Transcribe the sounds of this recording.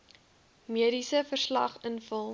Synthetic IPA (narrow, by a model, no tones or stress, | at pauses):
miəɾisəfərslɐ̰χənfəlˠ